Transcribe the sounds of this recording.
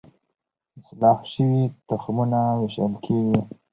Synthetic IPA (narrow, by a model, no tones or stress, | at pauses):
ɪslɑːfʃəwit̪axmunaweʃa̰lkʰeɡi